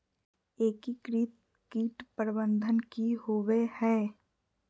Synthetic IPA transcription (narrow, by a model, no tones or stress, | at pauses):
eːkikɾiːt̪ | kiːʈpəɾbə̃nd̪ʱənkihoʋehɛː